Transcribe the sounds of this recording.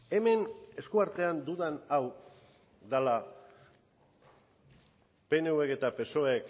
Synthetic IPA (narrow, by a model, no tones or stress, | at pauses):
e̞me̞ne̞skuaɾt̪e̞and̪uðanaw | d̪ala | pe̞ne̞ue̞ke̞t̪ape̞so̞ek